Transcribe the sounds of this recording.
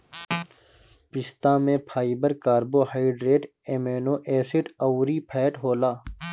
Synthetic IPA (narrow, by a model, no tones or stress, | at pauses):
pɪst̪ãːmẽːpʰaːibɐɾkaːɾboːhaːiɖɾeːʈ | eːmeːnoːʔeːsɪʈɐwɾiːpʰeːʈɦoːlaː